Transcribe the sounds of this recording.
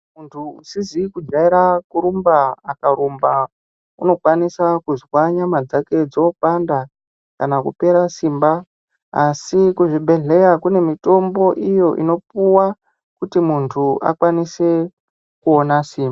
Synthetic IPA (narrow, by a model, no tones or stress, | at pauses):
muntʰuusizikud͡ʒaiɾakuɾumbaːkaɾumba | uno̞kwanisakuzwaɲamad͡zake̞d͡zo̞panda | kanakupe̞ɾasimba | asikuʐibʱe̞ɮe̞jakune̞mito̞mbo̞ʔijo̞ʔḭno̞puwa | kutimuntʰuʔa̰kwanise̞ | kuonasiːmba